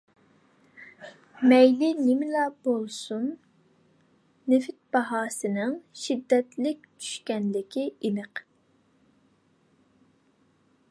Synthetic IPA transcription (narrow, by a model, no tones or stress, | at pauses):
mɛjlɪnɪmɪlɑb̥olˠsun | ɪfɪt̪̚b̥ɑɦɑːsɨnɪŋʃid̪ːɛt̪lɪkʲt͡ʃʰy̥ʃkʲɛnlɪkʲʰiinɨq